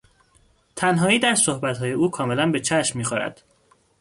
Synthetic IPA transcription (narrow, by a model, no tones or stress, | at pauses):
t̪ʰænɦɒːiːd̪æɾsohbæt̪hɒːje̞uːkʰɒːme̞lænbe̞t͡ʃʰæʃmːiːxoɾæ̰d̪̥